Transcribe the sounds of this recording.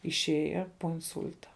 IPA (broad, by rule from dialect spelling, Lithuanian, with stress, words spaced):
ɪʃʲˈeːjɛ poː ɪnˈsʊlʲtɐ